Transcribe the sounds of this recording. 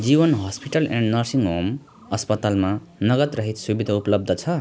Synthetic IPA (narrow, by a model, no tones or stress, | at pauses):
d͡zibʌnɦʌspiʈʌlḛ̃ɳɖnʌrsiŋɦom | ʌspʌt̪alma | nʌɡʌt̪rʌɦit̪subid̪ʱaupʌlʌb̚d̪ʱʌt͡sʰʌ